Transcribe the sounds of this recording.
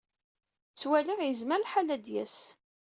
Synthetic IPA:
t͡sːwæliʁjəzməɾlħalæd̪jæ̰s

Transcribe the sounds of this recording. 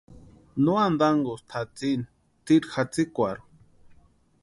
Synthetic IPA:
nuand̪aŋɡost̪ʰat͡sin | t̪iɾxat͡sikʷaɾ

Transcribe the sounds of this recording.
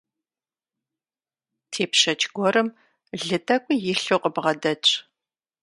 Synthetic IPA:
tʰeːpʃɐt͡ʃʼɡʷɔrɨm | ɮɨtʰʼɐkʷʼʊjɪɬoqəbʁɐdɐt͡ʃʼ

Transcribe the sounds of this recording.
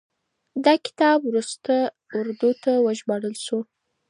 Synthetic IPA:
d̪ɑkɪ̥t̪ɑbwɾust̪a | ʊɾd̪ut̪awəʒbɑɽəlʃu

